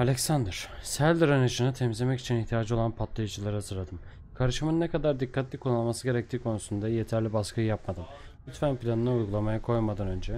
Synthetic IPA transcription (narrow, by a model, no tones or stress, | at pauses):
alʲɛcsand̪ɾ̥sælʲd̪iɾanaʃɯnat̪ʰɛmizlʲe̞mɛci̥t͡ʃʰiniçt̪ʰijaːd͡ʒɯo̞lˠanpʰat̪lˠajɯd͡ʒɯlˠaɾɯhɦazɯɾlˠad̪ɯm | kʰaɾɯʃɯmɯnːekʰad̪aɾd̪ikʰːat̪lʲikʰonalˠmasɯɟe̞ɾɛc̚t̪ʰiːkʰo̞nusund̪aje̞t̪ʰæɾlʲibaskʰɯjɯjapmad̪ɯmʲ | yt̪fænpilʲanɯnaujɡulˠamajakʰo̞jmad̪anø̞nd͡ʒɛ